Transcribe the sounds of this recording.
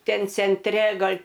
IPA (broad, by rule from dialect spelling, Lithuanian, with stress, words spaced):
ˈtʲɛn t͡sʲɛnʲˈtʲrʲɛ ˈɡɐlʲ